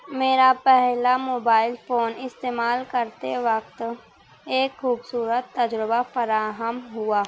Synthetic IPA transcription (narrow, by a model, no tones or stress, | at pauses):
meːɾapɛɦlamoːbaːɪlfoːnɪst̪eːmaːlkəɾt̪eʋəkt̪ | eːkxuːbsuːɾət̪ːɐd͡ʒɾəbafəɾaːɦəmɦʊaː